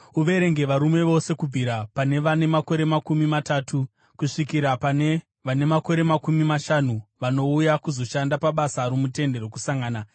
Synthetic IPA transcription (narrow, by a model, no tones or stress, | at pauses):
uʋe̞ɾe̞ŋɡe̞ʋaɾume̞ʋo̞se̞kub͡vʱiɾapane̞ʋane̞mako̞ɾe̞makumimataːtu | kuʂikiɾapane | ʋane̞mako̞ɾe̞makumimaʃanuʋano̞ujakuzo̞ʃandapaɓasaɾumute̞nde̞ɾokusaŋɡaːna